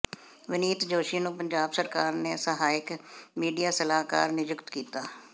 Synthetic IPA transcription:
ʋəniːt̪d͡ʒoːʃiːnũːpəɲd͡ʒaːbsəɾkaːɾneːsəɦaːɪkmiːɖijaːsəlaːka̰ːɾnɪjʊkt̪kiːt̪aː

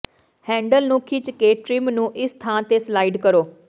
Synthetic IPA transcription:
hɛ̃ːɳɖəlnũːkʰiːt͡ʃəkeːʈɾɪmnũːʔɪst̪ʰãːt̪eːslaːiːɖkəɾoː

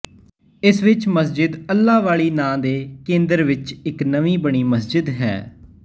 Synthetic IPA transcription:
ɪsʋɪt͡ʃməsd͡ʒɪd̪əlːaːʋaːɭiːnãːd̪eːkẽːnd̪əɾʋɪt͡ʃɪknəʋĩːbəɳ̃iːməsd͡ʒɪd̪ɦɛ̰ː

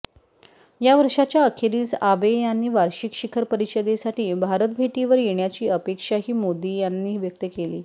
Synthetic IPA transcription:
jaʋəɾʂat͡ɕjaəkʰeɾiːt͡sabejanːiːʋaɾɕikɕikʰəɾpəɾiɕəd̪esaʈiːbʱaɾət̪̚bʱeʈiʋəɾjeɳjat͡ɕiːəpekʂaɦiːmod̪iːjanːiːʋjək̚t̪əkeliː

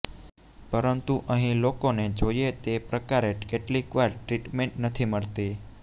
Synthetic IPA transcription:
pəɾənt̪uʔəɦĩlokoned͡ʒojet̪epɾəkaɾeʈkeʈlikʋaɾʈɾiʈmẽɳʈnət̪ʰiməɭt̪i

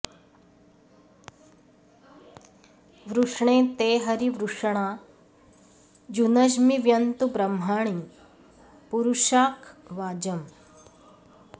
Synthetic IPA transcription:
ʋɾuʂɳeːt̪eːɦɐɾiʋɾuʂɐɳ̃aː | d͡ʒunɐʃmiʋjɐnt̪ubɾɐm̤ɦaːɳ̃i | puɾuʃaːkʰʋaːd͡ʒɐm

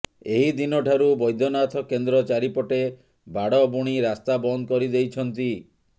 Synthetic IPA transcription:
eɦid̪inɔʈʰaɾubɔjd̪ʱɔnat̪ʰɔkend̪ɾɔt͡ʃaɾipɔʈe | bʱaɽɔbuɽ̃iɾast̪abɔnd̪ɔkɔɾid̪ejt͡ʃʰɔnt̪i

